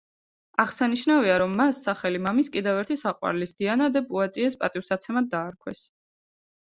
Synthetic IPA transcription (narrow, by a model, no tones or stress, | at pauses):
aʁsaniʃnaviaɾɔmːasːaχɛlimamiskʼid̪ɛvɛɾt̪ʰisaqʼwa̰ɾlisd̪̥ianad̪ɛpʼuat̪ʼiɛspʼat̪ʼifsat̪sʰɛmad̪̚d̪aːɾkʰwɛs